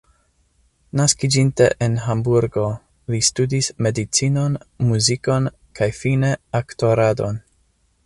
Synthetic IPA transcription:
naskid͡ʒinte̞ʔenɦambuɾɡo̞ | listudisme̞dit͡sino̞nmuziko̞n | kʰajfine̞akto̞ɾado̞̰n

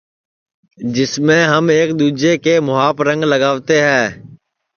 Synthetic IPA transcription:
d͡ʒɪsmẽɦɐmeːkd̪uːd͡ʒekemʊaːpɾə̃ŋɡlɐɡaːʋt̪eɦɛ̃ː

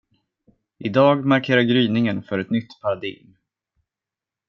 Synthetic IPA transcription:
ʔɪd̪ɑːɡmaɾkʰeːɾaɾɡɾyːnɪŋənfœɾɛt̪nʏt̪ːpʰaɾad̪ɪ̰ɡm

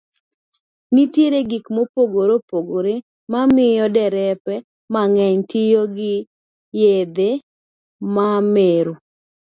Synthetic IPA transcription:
nitjeɾeɡikmopoɡoɾopoɡoɾe | mamɪjɔdɛɾɛpɛ | maŋɛɲtɪjoɡɪ | jed̪e | mameɾu

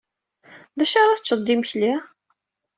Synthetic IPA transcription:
ðæʃaɾˤɑθt͡ʃːəd̪ˤːimçli

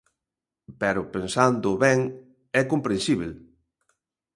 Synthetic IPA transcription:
pɛɾʊpensand̪ʊβɛŋ | ɛkompɾẽnsiβel

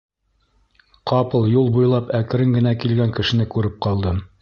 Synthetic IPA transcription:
qɑpɤlˠjulˠbujlˠɑpækɘ̆ɾɘŋɡɘ̆nækilɡæŋkɘ̆ʃɘ̆nɘkʉɾɘp̚qɑlˠd̪ɤm

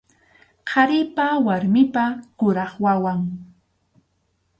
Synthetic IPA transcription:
qʰɑɾɪpawaɾmɪpakʊɾɑχwawaŋ

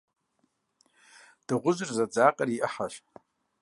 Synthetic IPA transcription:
d̥ɨʁʷʊzʷɨrzad͡zaːqʼariʔəħaʃ

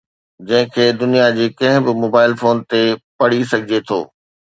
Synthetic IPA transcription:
d͡ʑɐ̃ɦɪ̃kʰeːd̪ʊnijad͡ʑeːkɐ̃ɦɪ̃bɪmoːbaːɪlfoːnt̪epɐɽ̤isɐɡʱɪd͡ʑet̪ʰo̰ː

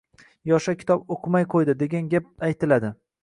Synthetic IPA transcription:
jɒʃakʲʰɪ̥t̪ɒpoqʰɨmajqʰojd̪ɪd̪e̞ɡʲanɡʲap̚ajt̪ʰɪlad̪ɪ

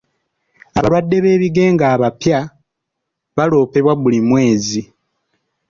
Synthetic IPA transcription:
a̰βa̰lwadːe̞βe̞ːβiɡe̞ːŋɡaːβapja | βalo̞ːpe̞βwaβulimwe̞ːzi

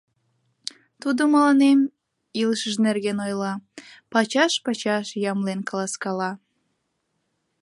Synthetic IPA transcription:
t̪ud̪omɑlɑnem | ilʃəʒnerɣenojlɑpɑt͡ɕɑʃpɑt͡ɕɑʃjɑmlenkɑlɑskɑlɑ

